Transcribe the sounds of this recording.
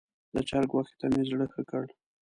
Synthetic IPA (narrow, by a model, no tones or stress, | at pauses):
d̪ət͡ʃɑɾɡwɑxi̥t̪amezɽəxəkəɽ